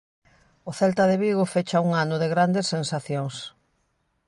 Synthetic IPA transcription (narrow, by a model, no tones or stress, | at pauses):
oθɛlt̪aðɪβiɣofet͡ʃauŋanʊðɪɣɾand̪esːensaθjoŋs